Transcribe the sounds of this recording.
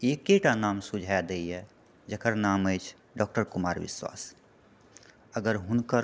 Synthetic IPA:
eːkeʈanaːmsud͡ʒʱajd̪əiɛ | d͡ʒəkʰəɾnaːməɪt͡ʃʰ | ɖɔːk̚ʈəɾkʊmaːɾʋɪ̰swa̰ːs | əɡəɾɦʊnkəɾ

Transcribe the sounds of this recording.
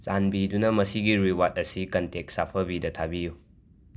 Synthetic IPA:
t͡ʃanbidunɐmɐsiɡiɾiwat̚ɐsikɐntek̚sapʰɐbidɐtʰabiju

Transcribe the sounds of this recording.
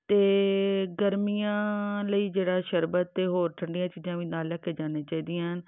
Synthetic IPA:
t̪eːɡəɾmijãːləiːd͡ʒeːɽaːʃəɾbət̪ːeːɦoːɾʈʰəɳɖɪjãːt͡ʃiːzãːʋiːnaːlɛːkʰːeːd͡ʒaːneːt͡ʃaːiːd̪ijãːɦən

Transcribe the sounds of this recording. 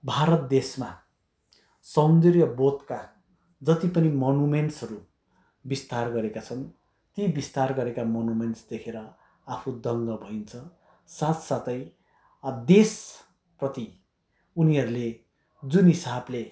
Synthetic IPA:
bʱaɾʌt̪̚d̪esma | sʌnd̪irjʌbot̪ka | d͡zʌt̪ipʌnimonumenʈsʌɾu | bist̪arɡʌɾekat͡sʰʌn | t̪ibist̪arɡʌɾekamʌnumenʈsd̪ekʰeɾʌ | apʰud̪ʌŋɡʌbʱʌint͡sʰʌ | sat̪sat̪ʌj | d̪es | prʌt̪i | uniʌɾule | d͡zunɦisable

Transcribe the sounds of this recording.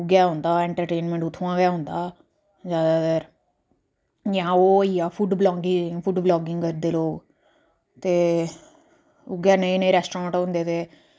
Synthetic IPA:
ʊɡjaːɦʊ̃ːnd̪aːɛ̃ɳʈəɾʈeːnmɛ̃ɳʈʊt̪ʰːãːɡjaːɦʊ̃nd̪aː | zjaːd̪aːɡəɾ | jaãoːijaːfʰuɖblɔːɡɪŋfʰʊɖblɔːɡɪ̃ŋɡkəɾd̪eːloːɡ | t̪eː | ʊɡjaːnəĩnəĩːɾɛːsʈɾãːɳʈõnd̪eːt̪eː

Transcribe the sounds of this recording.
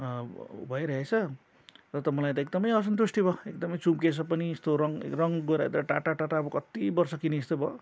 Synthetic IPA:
bʱʌjɾʌɦet͡sʰʌ | rʌt̪ʌmʌlajt̪ʌek̚d̪ʌmʌjʌs̬ʌnt̪usʈibʱʌek̚d̪ʌmʌjt͡sumkesʰʌpʌnist̪oɾʌŋ̰rʌŋɡoɾat̪ɾʌʈaʈaʈaʈabʌkʌt̪ibʌrsʌkiniːst̪obʱʌ

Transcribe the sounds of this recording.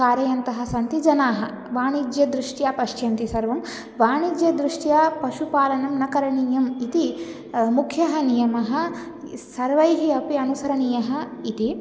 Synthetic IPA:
kaːɾjɐjɐnt̪ɐɦɐ̆sɐnt̪id͡ʒɐnaːɦɐ | ʋaːɳid͡ʒjɐd̪ɾuʂʈjaːpɐʂjɐnt̪isɐɾʋɐm | ʋaːɳid͡ʒjɐd̪ɾuʂʈjaːpɐʃupaːlɐnɐmnɐkɐɾɐɳiːjɐmit̪i | mukʰjɐɦɐnijɐmɐɦɐ | sɐɾʋɐjɦiɐpiɐnusɐɾɐɳijɐɦɐit̪i

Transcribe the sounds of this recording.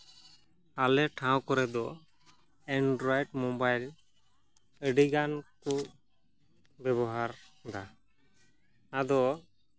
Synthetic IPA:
alɛʈʰãw̃kɔɾɛd̪ɔ | ɛɳɖɾɔjɖmɔbajl | əɖiɡanku | bɛβɔɦaɾd̪a | ad̪ɔ

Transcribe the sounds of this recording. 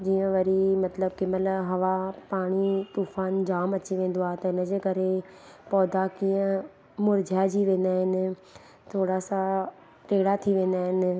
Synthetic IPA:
d͡ʑiːə̃ʋɐɾimɐt̪ləb̚kɪməlɦɐʋapaːɽ̃it̪uːfaːnd͡ʑaːmɐt͡ɕiʋẽːn̆d̪oaːɦt̪ɐɪnə̆d͡ʑeːkɐɾe | pɔːd̪akiːə̃ | mʊɾd͡ʑʱad͡ʑiʋẽːnd̪aːɦɪnɪ̆ | t̪ʰoːɽasa | ʈeːɽat̪ʰiʋẽːn̆d̪aːɦɪnɪ̆

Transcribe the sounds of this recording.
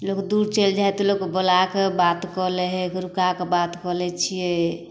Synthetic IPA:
lokd̪uɾt͡ʃeld͡ʒaɛt̪ɔlokebəlakebat̪kɔlɛɦɛkeɾukakebat̪kɔlɛt͡ʃʰijɛ

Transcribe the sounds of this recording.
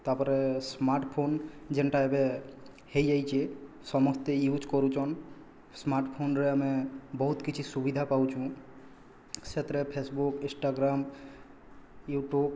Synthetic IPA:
t̪aɾpɔɾesmaɾʈpʰond͡ʒenʈaebe | hejd͡ʒajt͡ʃʰe | sɔmɔst̪ejut͡ʃkɔɾut͡ʃʰɔn | smaɾʈpʰonɾeamebɔɦut̪kit͡ɕʰisubid̪ʱapawt͡ʃʰũ | set̪ɾepʰesbukĩsʈaɡɾam | juʈub

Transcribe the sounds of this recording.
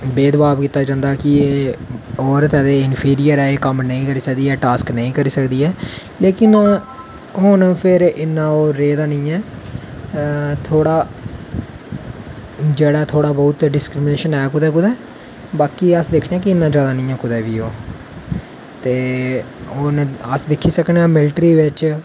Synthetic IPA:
beːd̪ʋaːʋkiːt̪aːd͡ʒãːnd̪aːkɪeːoːɾt̪ɛːd̪eːɪnpʰiːɾijəɾɛːeːkəmnəĩːkəɾiːsəkd̪iːɛːʈaːsknəĩːkəɾiːsəkd̪iːɛː | leːkɪn | ɦʊnpʰɪɾɪnːãːoːɾːeːd̪aːnĩːɛː | t̪ʰoːɽaː | d͡ʒeːɽaːt̪ʰoːɽaːbɔːt̪ɖɪskɾɪmɪneːʃənɛːkʊd̪ɛːkʊd̪ɛː | baːkiːəsd̪ekʰneɛ̃ːk̬ɪɪnːãːd͡ʒjaːd̪aːnĩːɛːkʊd̪ɛːʋiːoː | t̪eː | ʊnəsd̪ɪkʰːiːsəkneɛːmɪlʈɾiːʋɪt͡ʃ

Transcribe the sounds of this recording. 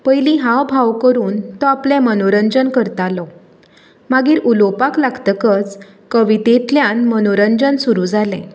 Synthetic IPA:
pəjlĩɦãbʱaʋkəɾuːnt̪ɔaplɛ̃mənoɾəɲd͡ʑənkəɾt̪alɔ | maɡiːɾulopaklaɡt̪əkət͡s | kəʋit̪et̪ljãnmənoɾəɲd͡ʑənsuɾud͡zalɛ̰̃

